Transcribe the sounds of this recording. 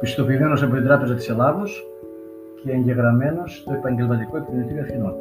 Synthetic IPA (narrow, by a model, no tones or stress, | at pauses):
pist̪o̞pime̞no̞sɐpot̪ind̪ɾɐpe̞zɐt̪i̥se̞lɐðo̞s | ceːɲɟe̞ɣɾɐme̞no̞st̪o̞epɐɲɟe̞lmɐt̪iko̞ekivenit̪iɾoɐθinon